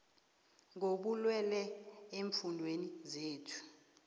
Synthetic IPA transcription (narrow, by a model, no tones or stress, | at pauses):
ŋoɓulwɛlɛeɱfundʱwenizeːtʰu̥